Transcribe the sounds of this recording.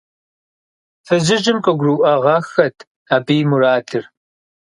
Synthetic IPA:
fɐzɪʒɨmqʼɐɡʷruːʔɐʁɐxɐtʰ | aːbijmuraːdʰɨr

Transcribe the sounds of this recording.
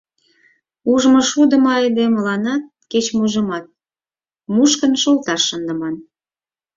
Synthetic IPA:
uʒmɤ̆ʃud̪ə̆mɑjd̪eməlɑnɑt̪̚ket͡ɕmuʒə̆mɑt̪̚ | muʃkənʃolt̪ɑʃːənd̪ə̆mɑn

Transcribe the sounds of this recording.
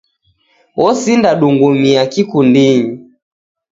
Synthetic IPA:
wɔsindaɗuŋɡumiakikundiɲi

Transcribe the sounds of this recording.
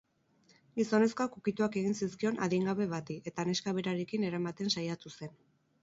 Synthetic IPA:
ɡiso̞ne̞sko̞akukit̪uake̞ɣ̞insiskio̞na̰ðiŋɡaβe̞βat̪iʔe̞t̪ane̞skaβe̞ɾaɾekine̞ɾamat̪e̞nsajat̪use̞n

